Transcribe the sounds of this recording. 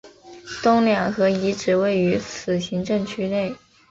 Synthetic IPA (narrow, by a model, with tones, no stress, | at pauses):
t̪ʊ˥ŋljɑ˨˩ŋxɤ˧˥i˧˥ʈ͡ʂɻ̩˨˩we˥˩ɪy˧˥t͡sʰɹ̩˨˩ɕi˧˥ŋʈ͡ʂɤ˥˧ŋt͡ɕʰy˥ne˥˩ɪ